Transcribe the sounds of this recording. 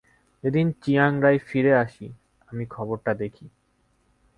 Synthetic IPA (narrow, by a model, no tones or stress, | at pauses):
ed̪int͡ɕiaŋɾajfiɾeaʃi | amikʰɔboɾʈad̪ekʰi